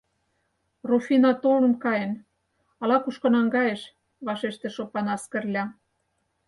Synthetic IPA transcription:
rufinɑt̪olə̆mkɑjĕn | ɑlɑkuʃkŏnɑŋɡɑjeʃ | βɑʃeʃt̪ĕʃopɑnɑskə̆rlʲɑ

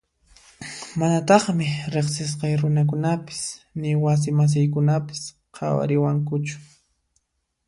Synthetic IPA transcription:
manat̪ɑχmɪɾeχsɪs̬qɑjɾʊnak̬ʊnapɪ̥snɪwas̬ɪmas̬ɪjkʊnapɪ̥s | qʰɑ̰wa̰ɾɪwaŋkʊt͡ʃʊ̥

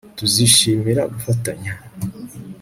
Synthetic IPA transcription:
tuziʃiːmiɾa̰ɡufataɲa

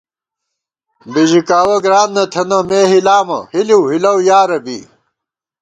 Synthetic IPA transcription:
biʑikaːwɐɡɾaːnnɐt̪ʰɐnɐmeːɦilaːmɐ̰hiliwhilɐwjaːɾɐbḭ

